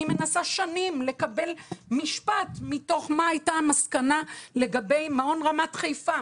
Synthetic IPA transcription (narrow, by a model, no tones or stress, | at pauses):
ime̞nasaʃanimle̞kabe̞lmiʃpatmito̞χmaajtamaskanale̞ɡabe̞jmao̞nʁamatχejfa